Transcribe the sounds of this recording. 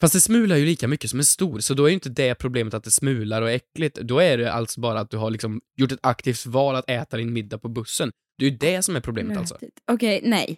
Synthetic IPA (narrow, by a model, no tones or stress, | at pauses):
fast̪̚d̪ɛsmʉ̟ːlaɾjɵliːkamʏkːəsɔmæɾʂt̪uːɾsɔd̪ɔæɾjʏɪnt̪əd̪ɛpʰɾʊbleːmət̪at̪̚d̪ɛsmʉ̟ːlaɾɔɛkːlɪt̪d̪ɔæɖɛʔa̰lt̪sɔbɑːɾaːt̪̚d̪ɵɦaɭɪksɔmjʊʈːɛt̪akt̪ʰiːft̪vɑːlat̪ɛːt̪ad̪ɪnmɪd̪ːapʰɔbɵsːən | d̪̥ɛːɾjɵd̪ɛsɔmæɾpʰɾʊblḛːmət̪a̰lsɔ̰ɔkʰɛjnɛ̰j